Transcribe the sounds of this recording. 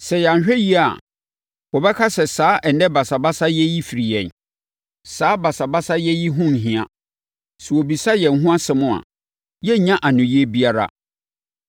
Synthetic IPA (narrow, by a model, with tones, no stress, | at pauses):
sɛ˨ja˨ɲ˨ɕᶣɛ˦ji˦aa˨ | wɔ˨bɛ˦kʰa˦sɛ˨saː˨˦ʔɛ˨n˦dɛ˦ba˨sa˨ba˦sa˦jɛ˦ji˦fi˨ɾi˨jɛ̰̃˨n | saː˨˦ba˨sa˨ba˦sa˦jɛ˦ji˦ɦʊ̃˦n̩˨ɦĩ˨a̰˨ | sɛ˨wo˨bi˨sa˦jɛ˨n̩˨ɦũ˦a˦sɪ˨mʊ̃˦a̰˨ | jɛ˦ɲã˦ʔa˨nʊ̃˨ji˦ɛ˦bi˦a˦ɾa̰˦